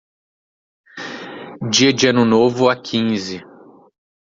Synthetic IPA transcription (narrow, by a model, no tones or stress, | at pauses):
d͡ʒiɐd͡ʒɪɐ̃nʊnovʊakʰĩzɪ